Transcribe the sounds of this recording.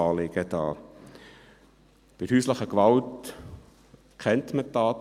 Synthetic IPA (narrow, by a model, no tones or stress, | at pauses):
ɑːlɪɡ̥əd̥ɑː | b̥ɪ̥hyːsləχəkʋɑlt | kʰχɛntməttːɑːt